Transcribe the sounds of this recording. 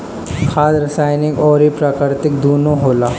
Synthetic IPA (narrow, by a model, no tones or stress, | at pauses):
kʰaːd̪ɾəsaːɪnɪkɔːɾipɾaːkɪɾt̪ɪkd̪oːnõɦoːlaː